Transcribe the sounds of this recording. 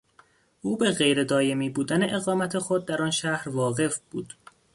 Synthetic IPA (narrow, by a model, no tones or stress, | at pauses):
ʔuːbeɣe̞jɾe̞d̪ɒːje̞miːbuːd̪æne̞ʔeɣɒːmæt̪ʰe̞xod̪̚ːæɾɒːnʃæhɾvɒːɣe̞fb̥uːd̪̥